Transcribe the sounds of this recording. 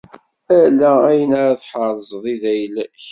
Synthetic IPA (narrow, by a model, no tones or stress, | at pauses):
ælææjənæɾæθħəɾˤzˤðˤiðæjlæç